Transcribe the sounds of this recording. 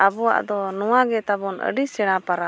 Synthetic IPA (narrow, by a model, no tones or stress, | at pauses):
abɔwa̰ʔd̪ɔnɔwaɡɛt̪abɔnə̰ɖisɛɽ̃apaɾa